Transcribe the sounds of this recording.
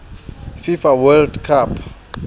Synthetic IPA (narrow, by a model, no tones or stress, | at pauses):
fifawɛldkʰapʰ